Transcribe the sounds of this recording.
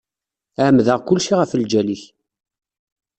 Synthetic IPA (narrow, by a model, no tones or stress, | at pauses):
ʕʕmðəʁkʊlːʃiʁəfəld͡ʒæliç